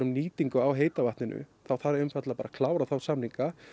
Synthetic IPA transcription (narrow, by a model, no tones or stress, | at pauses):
ɾʏmniːt̪iŋkʏawɦeːjt̪avaht̪nɪnʏ̰θawθaɾɾʏmfat̪lapaːɾakʰlaːwɾaθawsamniŋka